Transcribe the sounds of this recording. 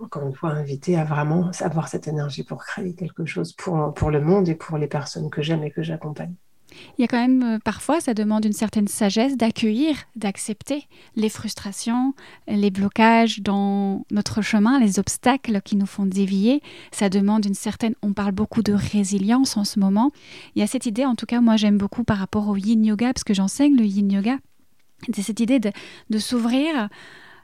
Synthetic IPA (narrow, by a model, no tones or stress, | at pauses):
ɑ̃kɔʁynfwaɛ̃vit̪eavʁɛmɑ̃sa̰vwaʁsɛt̪enɛʁʒipuʁkχeekʲɛlkəʃozpʰuʁpʰuʁləmɔ̃d̪epʰuʁlepɛʁsɔnkəʒɛmekəʒakɔ̃paɲ | iljakɑ̃mɛmøpaʁfwasad̪əmɑ̃d̪ynsɛʁt̪ɛnsaʒɛsd̪akʲəiʁd̪aksɛpt̪e | lefχyst̪χasjɔ̃leblɔkaʒd̪ɑ̃nɔt̪χəʃəmɛ̃lezɔpst̪aklkʲinufɔ̃d̪evjesad̪əmɑ̃d̪ynsɛʁt̪ɛnɔ̃paʁlbokud̪əʁeziljɑ̃sɑ̃səmɔmɑ̃eljasɛt̪id̪eɑ̃t̪ukamwaʒɛmbokʰupaʁːapɔʁojinjɔɡapḁskəʒɑ̃sɛɲləjinjɔɡa | sɛsɛt̪id̪ed̪əd̪əsuvʁiːʁ